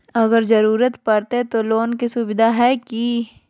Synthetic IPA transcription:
ɐɡəɾzɐɾuːɾət̪pɐɾt̪et̪oloːnkisʊbɪd̪ʱaɦɛːki

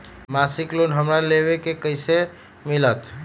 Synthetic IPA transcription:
masiklonɦəmɾaleβekekəɪse | milət̪

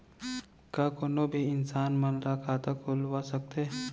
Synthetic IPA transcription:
kaːkoːnobʱiɪnsaːnmənɾakʰat̪akʰolwasək̚t̪eː

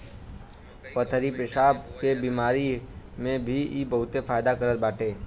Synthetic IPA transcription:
pət̪ʰəɾipɪsaːbkebiːmaːɾi | mẽbʱiibəɦʊt̪efʰaːjd̪akəɾət̪̚baːʈʰeː

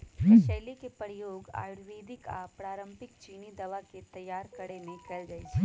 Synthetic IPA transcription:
ʃɐːlikepəɾjoːɡa̰ːjʊɽʋeːd̪ɪka̰pɾaːɾə̃mpɪkt͡ʃiːnid̪ɐʋaket̪ɐjːaːɾkɐɽenikəld͡ʒɐet͡ʃʰɛ

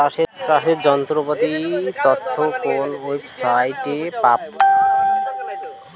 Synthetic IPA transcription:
aʃetɾaʃeɾd͡ʑɔnt̪ɾopot̪it̪ot̪ʰːokonebsajʈepap̚

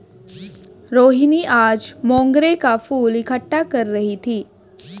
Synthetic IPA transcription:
ɾoːɦiniʔaːd͡ʒmɔ̃ːŋɡɾekafuːlikʰəʈːakəɾːəɦit̪ʰiː

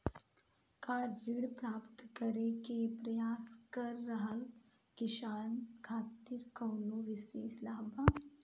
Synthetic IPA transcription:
kaːɾːiɽpɾaːpt̪kɐɾekepɾɐjaːskɐɾːɐɦəl | kɪʃaːnkʰaːt̪ːiːɾkɐːnoʋɪsislaːɦbaː

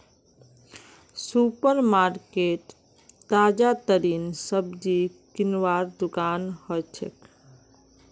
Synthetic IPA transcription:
supəɾmaɾkeʈ | t̪ad͡ʒat̪əɾinsəbd͡ʒikinʋaɾd̪ukanhɔt͡ʃʰḛk

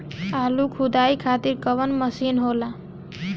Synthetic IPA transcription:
alukʰud̪aikʰat̪iɾkəβənməsinɦola

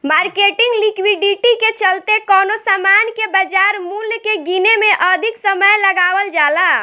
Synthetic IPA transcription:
maɾkeʈiŋɡlikwiɖiʈiket͡ʃəlt̪ekɔnosamankebəd͡ʒaɾmuljkeɡinemeʔəd̪ʱiksəməjləɡaʋəld͡ʒala

